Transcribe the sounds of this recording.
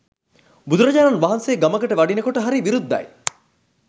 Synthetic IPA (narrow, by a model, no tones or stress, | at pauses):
bud̪uɾɐd͡ʒaːnɐnʋaɦɐnseːɡɐməkəʈəʋɐɖinekoʈəɦaɾiʋiɾud̪ːɐ̰j